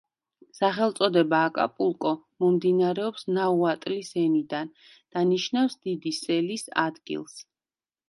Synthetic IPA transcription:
saχɛlˠt̪sʼɔd̪ɛbaːkʼa̰pʼulˠkʼɔmɔmd̪inaɾɛɔpsnauat̪ʼlisɛnid̪an | d̪̥aniʃnafsd̪̥id̪isɛlisa̰d̪ɡḭlˠs

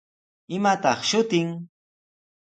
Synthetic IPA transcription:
ɪmat̪ɑχʃʊt̪ɪŋ

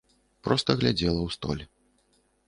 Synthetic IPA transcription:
pɾɔst̪ɐɣlʲad͡zʲɛlˠɐwst̪ɔ̰lʲɛ

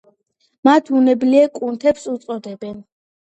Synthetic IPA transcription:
mat̪ʰunɛbliɛkʼunt̪ʰɛpsut̪sʼɔd̪ɛbɛn

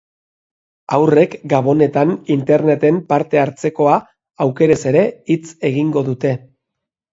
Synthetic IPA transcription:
awre̞kɡaβ̞o̞ne̞t̪anint̪e̞ɾne̞t̪e̞mpaɾt̪e̞aɾt͡se̞ko̞a | awke̞ɾe̞se̞ɾe̞it͡se̞ɣiŋɡo̞ðut̪e̞

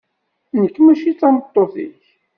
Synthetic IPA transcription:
nəkːmæʃit͡sːɑmət̪ˤːoθḭç

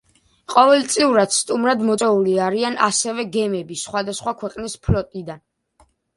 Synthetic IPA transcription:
qʼɔvɛlt̪sʼiuɾad̪st̪ʼumɾad̪mɔt̪sʼɛuliaɾiana̰sɛvɛɡɛmɛbisχwad̪asχwakʰwɛqʼnispʰlɔt̪ʼid̪an

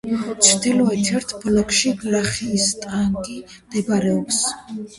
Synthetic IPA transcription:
t͡ʃʰɾd̪ilɔɛt̪ʰɛɾt̪ʰblɔkʰʃiɡlaχiːst̪ʼaŋɡi | md̪̥ɛbɾɛɔps

